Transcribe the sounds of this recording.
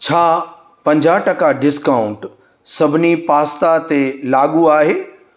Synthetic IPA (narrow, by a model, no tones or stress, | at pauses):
t͡ɕʰaː | pɐ̃ɲd͡ʑaːʈɐkaɖɪskaːʊ̃ɳʈ | sɐbʱɪnipaːst̪at̪elaːɠuaːɦeː